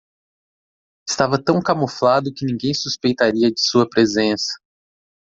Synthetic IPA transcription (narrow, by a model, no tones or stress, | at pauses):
ɪst̪avɐt̪ɐ̃w̃kamoflad̪ʊkɪnĩŋɡẽj̃suspejt̪aɾiɐd͡ʒɪsuɐpɾezẽsɐ̥